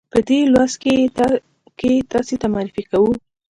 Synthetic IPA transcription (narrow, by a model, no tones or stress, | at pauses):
pəd̪elwaske | ket̪ɑset̪amɑɾɪfikawu